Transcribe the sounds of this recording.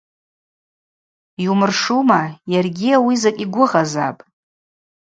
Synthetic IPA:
jumɨrʂumajarɡʲiawizakʲʼiɡʷʊʁaza̰pʼ

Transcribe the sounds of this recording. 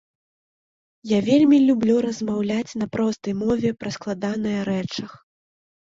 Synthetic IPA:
javʲelʲmʲilʲublʲuɾɐzmawlʲat͡sʲn̪ɐpɾɔst̪ɐjmɔvʲɛpɾɐsklˠad̪anɨjɐɾɛt͡ʂɐx

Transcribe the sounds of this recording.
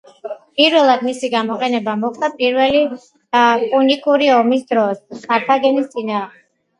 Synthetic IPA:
pʼiɾvɛlˠad̪misiɡamɔqʼɛnɛbamɔχd̪apʼiɾvɛli | pʼunikʼuɾiɔmisd̪ɾɔskʰʼaɾt̪ʰaɡɛnist̪sʼinaːʁmɛ

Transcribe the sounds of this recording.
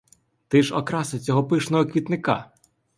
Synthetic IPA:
t̪ɪʃɔkɾɑsɐt͡sʲɔɦɔpɪʃnɔɦɔkʋʲit̪nɪkɑ̰

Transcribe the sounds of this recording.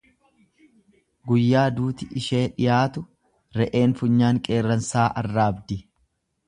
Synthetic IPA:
ɡʊjːaːd̪uːt̪ɪʔɪʃe̞ːᶑɪjaːt̪ʊ | ɾɛʔe̞ːnfʊɲːaːŋkʼe̞ːrːɐnsaːʔɐrːaːɐbd̪ɪ

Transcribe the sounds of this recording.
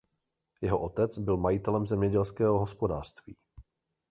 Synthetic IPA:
jɛɦo̞ʔo̞t̪ɛt͡sbɪlmajit̪ɛlɛmzɛmɲɛɟɛlskɛːɦoɦospo̞daːr̥st̪vḭː

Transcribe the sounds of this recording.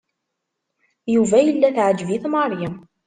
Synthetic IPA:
juvæjəlːæθʕəd͡ʒːviθmɑɾˤjəm

